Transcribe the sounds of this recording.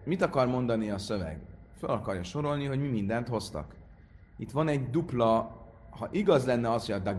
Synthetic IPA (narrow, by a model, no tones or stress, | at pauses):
mit̪ɒkɒrmo̞nd̪ɒniɒsø̞vɛ̰ɡfølɒkɒrjɒʃo̞ɾo̞lniɦo̞ɟmimind̪ɛnt̪ho̞st̪ɒ̰k | it̪ʋɒnɛɟd̪uplɒ | hɒʔiɡɒzlɛnːɛɒshojɒd̪a